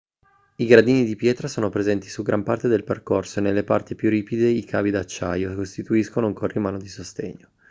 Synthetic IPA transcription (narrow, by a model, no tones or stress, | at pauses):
iɡɾad̪iːnid̪ipjɛːt̪ɾasoːnopɾezɛnt̪i̥suɡɾʔampart̪ed̪elperkorsoenelːepart̪ipjuriːpid̪eikʰa̰ːvid̪at͡ʃːa̰jokost̪it̪uiskonouŋkʰorːimaːnod̪isost̪ḛɲːo